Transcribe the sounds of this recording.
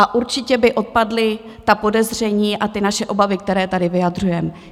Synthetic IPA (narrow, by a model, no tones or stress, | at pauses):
aʔuɾt͡ʃɪcɛbɪʔo̞t̪̚padlɪ | t̪apo̞dɛzr̝ɛɲiːʔat̪ɪnaʃɛʔo̞bavɪk̚t̪ɛɾɛːt̪adɪvɪjadr̝ujɛm